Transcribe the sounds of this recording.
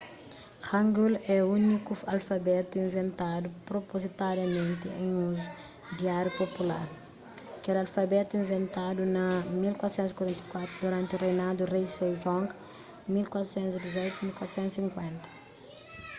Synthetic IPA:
hãŋɡulɛunikuɐlfɐbɛt̪uĩnvẽnt̪ad̪upɾopozit̪aɾjɐmẽnt̪ɪẽjũ | d̪iaɾjupopula̰ɾ | ɐkɛlɐlfɐbɛt̪uĩnvẽnt̪ad̪unɐmilkwat̪ɾsɛ̃nt̪uskwɐɾɛ̃nt̪ɐkwat̪ɾud̪uɾãnt̪urejnad̪urejsejʒɔ̃ŋɡ | milkwat̪ɾosɛ̃nt̪zid̪izɔjt̪umilkwat̪ɾsɛ̃nt̪sĩŋkwɛ̃nt̪ɐ̥

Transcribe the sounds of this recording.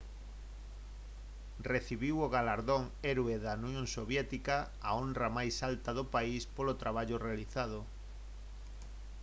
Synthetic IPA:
reθiβiwoɣalaɾðoŋ | ɛɾweðanjoŋsoβjɛt̪ika | aonrramajsalt̪aðopaispolot̪ɾʔaβ̞aʎorealiθað̞o

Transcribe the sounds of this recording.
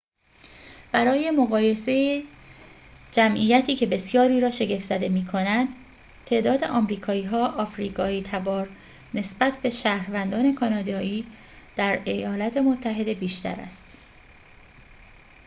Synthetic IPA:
b̥æɾɒːje̞moɣɒːje̞se̞je | d͡ʒæmʔijæt̪ʰiːcʰe̞be̞sjɒːɾiːɾɒːʃe̞ɟefz̥æd̪e̞miːkʰonænd̪̥ | t̪ʰe̞ʔd̪ɒːd̪e̞ʔɒːmɾiːkʰɒːiːɦɒːʔɒfɾiːɡɒːiːt̪ʰæbɒːɾ | ne̞sbæt̪ʰbe̞ʃæːhɾvænd̪ɒːne̞kʰɒːnɒːd̪ɒːiː | d̪̥æɾe̞jɒːlɒt̪ʰe̞mot̪ʰːæɦe̞d̪e̞biːʃt̪æ̰ɾæ̰st̪

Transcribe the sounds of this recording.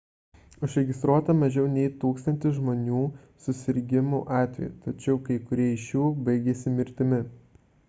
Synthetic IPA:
ʊʒɾʲɛɡʲɪst̪ɾuɔt̪ɐmɐʒʲɛʊnʲɛɪt̪uːkst̪ɐnʲt̪ʲɪsʒmoːnʲuː | sʊsʲɪɾʲɡʲɪmuʔɑːt̪ʲʋʲɛ̰jut̪ɐt͡ʃʲɛʊkɐɪkʊɾʲiɛɪʃjuːbɐɪɡʲesʲɪmʲɪɾʲt̪ʲɪmʲɪ

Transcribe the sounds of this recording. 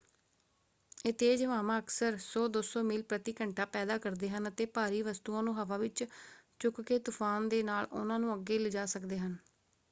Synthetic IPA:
et̪eːd͡ʒʋaːmãːəksəɾsoːd̪osoːmiːlpɾət̪iːkəɳʈaːpɛːd̪aːkəɾd̪eːɦənət̪eːpaːɾiːʋəst̪uːãːnũːɦəʋaːʋɪt͡ʃt͡ʃʊkkeːt̪ʊfʰaːnd̪eːnaːlʊ̰nãːnũːəɡeːləd͡ʒaːsəkd̪eːɦən

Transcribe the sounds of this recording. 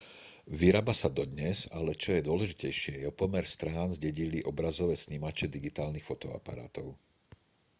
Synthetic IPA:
ʋiɾaːbasad̪ɔd̪ɲɛzalɛt͡ʃɔjɛd̪ʊɔlɛʒicɛjʃɪɛjɛɔpɔmɛɾst̪ɾaːnzɟɛɟiliʔɔbɾazɔʋɛːsɲimat͡ʃɛd̪iɡit̪aːlnixfɔt̪ɔ̰a̰pa̰ɾa̰ːt̪ɔʊ

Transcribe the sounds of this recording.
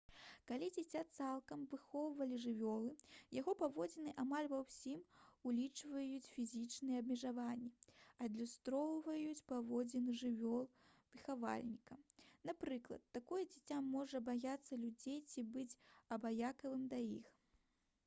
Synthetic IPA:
kalʲid͡zʲat͡sʲat̪salˠkɐmvɨxɔwvɐlʲiʐɨvʲɔlˠɨjaɣɔpavɔd͡zʲɛnɨʔamalʲvɐwsʲimulʲit͡ʂvɐjut͡sʲfʲizʲit͡ʂnɨjɛɐbmʲɛʐavanʲːiɐd̪lʲust̪ɾɔwvɐjut͡sʲpavɔd͡zʲɛnɨʐɨvʲɔlˠvɨxava̰lʲnʲikɐmnapɾɨklˠɐ̰t̪ːakɔjɐd͡zʲat͡sʲamːɔʐɐbajat̪sːɐlʲud͡zʲejt͡sʲibɨt͡sʲɐbajakɐvɨmd̪ɐjḭx

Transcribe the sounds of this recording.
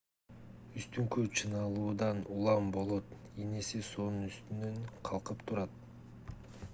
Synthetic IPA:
yst̪yŋkøt͡ʃʰɯnɑlˠuːd̪ɑnulˠɑmbo̞lˠo̞t̪ | eneseso̞nunyst̪ynøŋqʰɑlˠqɯpt̪ʰuɾɑt̪̚

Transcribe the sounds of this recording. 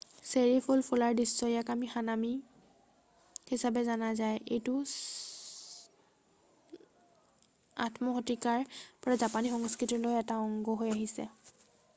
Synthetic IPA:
seɹipʰulpʰulaɹdisːɔjakamixanami | hisabɛzanazajejtʊ | a̰tʰmɔxɔtikaɹpɔɹazapanixɔŋskɹitilojɛtaɔŋɡɔɦojaɦisɛ̰

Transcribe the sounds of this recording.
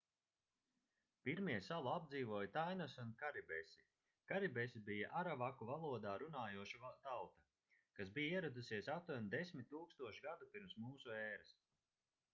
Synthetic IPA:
piɾmiɛsaluab̚d̪ziːvuɔjt̪ajnasunkaɾibɛsi | kaɾibɛsibijaʔaɾavakuvalˠuɔd̪aːɾunaːjuɔʃut̪awt̪a | kas̬bijaiɛɾad̪usiɛsat̪uɔnd̪esʲmʲit̪̚ʲːuːkst̪uɔʃiɡad̪upiɾmsmuːsuɛːɾas

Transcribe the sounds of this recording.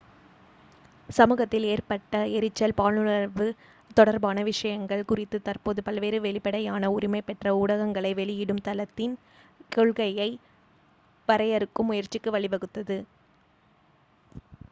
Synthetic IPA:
sɐmɯːɣɐt̪ːɪleːrpɐʈːɐɛɾɪt͡ʃːɐlpaːlnɯɭɐɾʋɯ | t̪ɔɽɐɾbaːnɐʋɪʂɐjɐŋɡɐɭkʊrɪt̪ːɯt̪ɐrpoːðɯpɐlʋeːɾɯʋɛɭɪpɐɽɐjaːnɐʊɾɪmɐɪpɛʈrɐʊɽɐɣɐŋɡɐɭɐɪʋɛɭɪjɪɽɯmt̪ɐlɐt̪ːɪn | koɭɣɐjɐɪ | ʋɐɾɐjɐɾɯkːɯmːʊjɐɾt͡ʃːɪkːɯʋɐɭɪʋɐɣɯt̪ːɐðɯ

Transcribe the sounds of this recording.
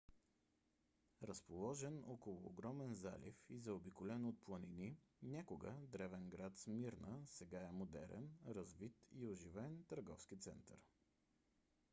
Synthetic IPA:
ɾəspolˠɔʒɛnɔkolˠʊ̰ːɡɾɔmɛnza̰lḭfizɐobikolɛnot̪̚plˠənininʲakoɡə̰d̪ɾɛvɛnɡɾat̪smiɾnəsɛɡaɛmod̪ɛ̰ɾɛ̰nɾəzvit̪ioʒivɛnt̪əɾɡɔfskit̪sɛ̰nt̪ə̰ɾ

